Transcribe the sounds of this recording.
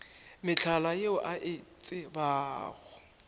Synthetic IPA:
mɪt͡ɬʰalajeʊʔaʔɪt͡sʼɪbaːɣʊ

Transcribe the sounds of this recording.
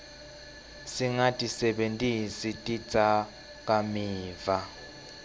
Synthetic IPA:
siŋatʼisɛɓentʼisitʼi̥t͡sʰʼa | k̬ʼamiːva

